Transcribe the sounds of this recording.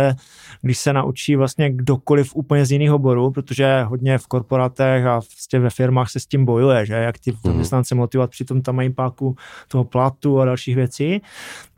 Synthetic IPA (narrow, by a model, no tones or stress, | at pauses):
ɛ | ɡdɪʃsɛnaʔut͡ʃiːvlast̪ɲɛɡdokolɪfʔuːpəɲɛzjɪniːxɦobo̞ɾuːpɾot̪oʒɛɦo̞dɲɛfko̞ɾpo̞ɾat̪ɛxapɾoscɛvɛfɪɾmaːxsɛscimbo̞jujɛʒɛjakt̪ɪzamɲɛst̪nant͡sɛmo̞t̪ɪvovat̪̚pr̥ɪt̪o̞mt̪amajipaːkut̪oɦoplat̪uadalʃiːɣvjɛt͡si